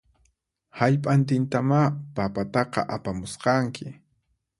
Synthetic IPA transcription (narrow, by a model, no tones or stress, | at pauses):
haʎpʼant̪ɪnt̪amapapat̪ɑqɑ̰ʔapamʊsqɑŋkʰɪ